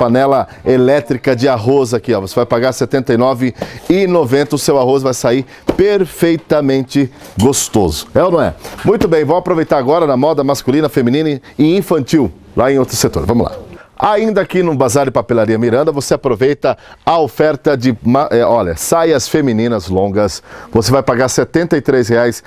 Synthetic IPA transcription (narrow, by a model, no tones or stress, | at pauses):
panɛlɐ | elɛt̪ɾikɐd͡ʒɪaɦozakiavosevajpaɡaɾset̪ẽnt̪ɐjnɔvɪɪnovẽnt̪ɐʊsewaɦos̬vajsaiɾ | peɾfejt̪ɐmẽnt͡ʃɪ | ɡost̪ozʊɛʊnɐ̃w̃ɛ̰mũj̃t̪ʊbẽj̃vowapɾovejt̪aɾaɡɔɾɐnɐmɔd̪ɐmaskulĩnɐfemĩnĩnɐɪ̃ĩfɐ̃nt͡ʃiw | lʔaẽj̃owt̪ɾʊset̪o̰ɾvɐ̃mʊla̰aĩnd̪ɐakinʊbazaɾd͡ʒɪpapelaɾiɐmiɾɐ̃nd̪ɐvoseapɾovejt̪ɐɐofɛɾt̪ɐd͡ʒɪmaʔɛʔɔʎɐ̰sajɐsfemĩnĩnɐzlõɡɐsvosevajpaɡaɾset̪ẽnt̪ɐit̪ɾesheajs